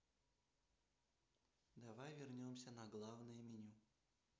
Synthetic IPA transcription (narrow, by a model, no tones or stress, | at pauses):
d̪ɐvajvʲɪrnʲomsʲənɐɡlˠavnɨjəmʲɪnʲu